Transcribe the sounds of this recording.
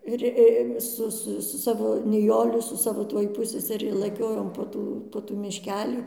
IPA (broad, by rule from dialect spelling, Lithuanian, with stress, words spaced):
ˈɪr ɪ ˈsʊ ˈsʊ sʊ ˈsɑːʋoː nʲɪˈjoːlʲɪ sʊ ˈsɑːʋoː ˈtuɔj ˈpʊsʲsʲɛsʲɛrʲɪ lˠɐˈkʲoːjoːm poː ˈtuː poː ˈtuː mʲɪʃʲˈkʲæːlʲiː